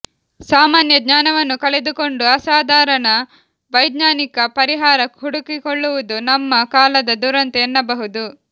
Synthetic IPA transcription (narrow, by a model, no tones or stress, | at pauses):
saːmaːnjɐɡ̪ɲaːnɐʋɐnːukɐɭed̪uko̞ɳɖuɐsaːd̪ʱaːɾɐnɐ | ʋɐjd̪ɲaːnikɐpɐɾiɦaːɾɐɦuɽukikoɭːuʋud̪unɐmːɐkaːlɐd̪ɐd̪uɾɐnt̪ɛːnːɐbɐɦud̪u